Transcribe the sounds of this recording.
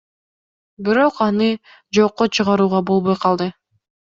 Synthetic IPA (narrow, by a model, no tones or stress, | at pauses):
biɾo̞qɑnɯ | d͡ʒoqːot͡ʃʰɯʁɑɾuːʁɑbo̞lˠβojqʰɑlˠd̪ɯ